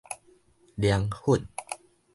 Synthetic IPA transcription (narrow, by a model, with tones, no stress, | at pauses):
di˧ə˧ŋhu˥˩˨n